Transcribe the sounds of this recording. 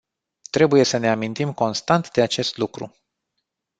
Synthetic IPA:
t̪ɾe̞buje̞səne̞amint̪imko̞nst̪ant̪d̪e̞at͡ʃe̞st̪lukɾṵ

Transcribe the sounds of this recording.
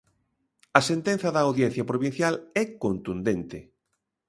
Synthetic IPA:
ɐsent̪en̟θɐðɐːwðjɛn̟θjɐpɾoβin̟θjalɛkont̪und̪ent̪ɪ

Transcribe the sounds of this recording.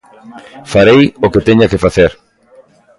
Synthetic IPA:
faɾejoket̪eɲakefaθeɾ

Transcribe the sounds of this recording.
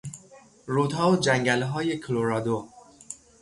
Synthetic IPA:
ɾuːt̪hɒːod͡ʒæŋɟælɦɒːje̞kʰloɾɒːd̪o

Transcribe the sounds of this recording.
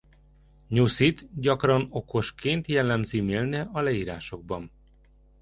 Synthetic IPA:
ɲusit̪ɟɒkrɒno̞ko̞ʃkʰeːnt̪jɛlːɛmzimeːlnɛʔɒlɛiːɾa̰ːʃo̞ɡ̚bɒn

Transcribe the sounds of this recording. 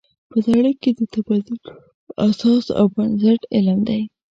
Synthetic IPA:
pəd̪aɽəked̪ət̪abad̪ʊk | asɑsa̰wbansaʈɪləmd̪aj

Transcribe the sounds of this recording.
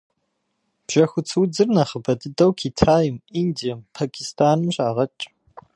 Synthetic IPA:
b̥ʒ̥ɐxʷʊt͡sʰɨwd͡zɨrnɐχəbɐdɨdɐwkʰitʰaːjɪmindijɐmpʰaːkʰistʰaːnɨmɕʼaːʁɐt͡ʃʼ

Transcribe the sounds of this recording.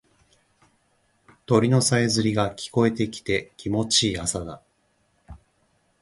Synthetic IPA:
t̪o̞ɾʲino̞sae̞zɨɾʲiɡakʲi̥ko̞e̞t̪e̞kʲi̥t̪e̞kʲimo̞t͡ɕiːasad̪a

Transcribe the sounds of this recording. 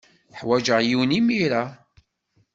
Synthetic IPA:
θħwæʒəʁjiwnimiɾa

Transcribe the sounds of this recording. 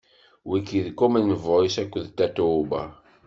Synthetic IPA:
wikiðkumænːəvoɾisækʷːəðt̪æt̪uba̰

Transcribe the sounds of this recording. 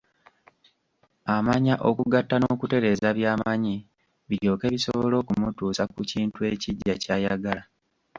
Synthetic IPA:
amaɲaʔo̞kuɡatːanoːkute̞ɾe̞zaβjaːmaɲi | βiɾjo̞ːke̞ːβiso̞βo̞lo̞ːkumutuːsakuciːntue̞ciɟːacaːjaɡala

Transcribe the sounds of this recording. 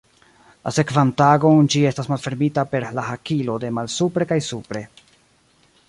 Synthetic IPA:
la̰se̞kvantaɡo̞nd͡ʒie̞stasmalfe̞ɾmitape̞ɾlaɦakilo̞de̞malsupɾe̞kajsupɾe̞

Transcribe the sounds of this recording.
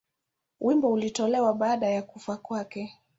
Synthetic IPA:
wimbɔulitɔlɛwaɓaːɗajakufakwakɛ

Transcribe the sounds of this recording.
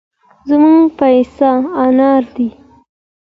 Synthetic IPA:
zmuŋɡpajsaːnɑɾd̪i

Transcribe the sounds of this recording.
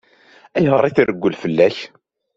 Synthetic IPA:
æjhəɾˤiθirəɡʷːəlfəlːæç

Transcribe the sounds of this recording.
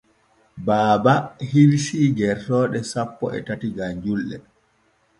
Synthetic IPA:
baːbahiwsiːɡɛɾtɔːɗɛsapːɔ̰ɛ̰tatiɡaɲd͡ʒulːɛ̰

